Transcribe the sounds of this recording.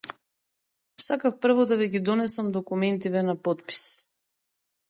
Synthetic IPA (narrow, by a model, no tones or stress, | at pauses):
sakafpr̩vɔd̪avɛɡid̪ɔnɛsamd̪ɔkumɛnt̪ivɛnapɔt̪̚pi̥s